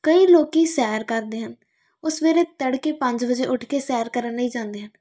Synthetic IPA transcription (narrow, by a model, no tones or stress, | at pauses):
kəiːloːkiːsɛːɾkəɾd̪eːɦən | ʊsʋeːɾeːt̪əɽkeːpə̃ɲd͡ʒbəd͡ʒeʔʊʈʰkesɛːɾkəɾənləɦĩːd͡ʒãːnd̪eːɦən